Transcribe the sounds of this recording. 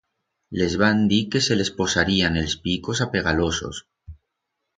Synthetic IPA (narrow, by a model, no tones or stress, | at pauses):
le̞zβand̪ike̞se̞le̞spo̞saɾiane̞lspiko̞sape̞ɣ̞alo̞so̞̰s